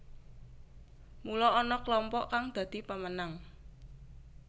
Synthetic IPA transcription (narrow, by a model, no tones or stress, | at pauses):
mulɔːnɔklɔmpɔʔkaŋd̪̥ä̤d̪̥i̤pamənaŋ